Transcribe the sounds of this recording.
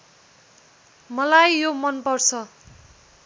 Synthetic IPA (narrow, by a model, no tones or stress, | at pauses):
mʌlajːomʌnpʌrt͡sʰʌ